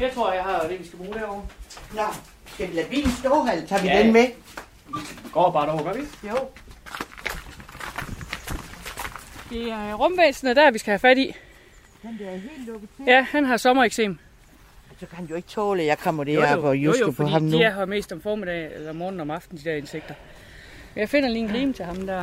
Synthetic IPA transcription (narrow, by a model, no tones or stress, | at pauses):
jɑt͡sʰʁo̝ɐ̰jɑ̈ɪhɑ̈d̥eʋisɡ̥æb̥ʁuːd̥æɐ̰ɒʊ̰nɒ | sɡ̥æʋilæʋḭːnsd̥ɔːɦælt͡sʰɑ̰̈ʋidenme | iɡ̥ɒ̰ːb̥ɑ̈ːɾɒʊ̰ɡ̥ɒʋio | ʋ̥iæɐʁɔ̽mʋeːsn̩əd̥æɐʋisɡ̥æhæfæɾ̥ḭ̥ | ɦe̝̰ːllɔɡ̥̩jæhænɦɑ̈sɒ̽mɐeɡ̥sḛːm | æsɒkʰæhænjoe̝ɡ̥̚t͡sʰɔːləjɑ̈ɪkʰɒ̽m̰ɐd̥ebɒjosəfpʰɒiɦɑ̈mnujɑɦɒme̝̰ːsd̥ɒ̽mfɒːmed̥ɛ̰ːelɐmɒːnn̩ɒ̽mɑ̈fd̥n̩d̥id̥æɐe̝nseɡ̥̚d̥ɐ | jɑ̈ɪfe̝n̰ɐliːn̥ʁiːmət͡sʰe̝lhɑ̈md̥æɐ